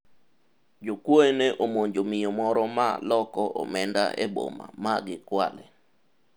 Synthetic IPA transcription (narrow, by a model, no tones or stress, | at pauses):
d͡ʒokwoeneʔomoɲd͡ʒomɪjɔmɔɾɔma̰lɔkɔʔo̰mɛnda̰ʔḛbo̰ma̰maɡɪkwa̰lɛ